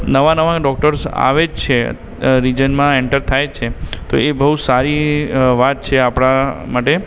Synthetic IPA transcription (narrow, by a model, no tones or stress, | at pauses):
nəʋãnəʋãkɖɔk̚ʈəɾsa̰ʋed͡ʒt͡ʃʰḛ | ɾid͡ʒənmãɛɳʈəɾt̪ʰajt͡ʃʰet̪o̰ebəɦusaɾiʋat̪̚t͡ʃʰeapɽ̃amaʈe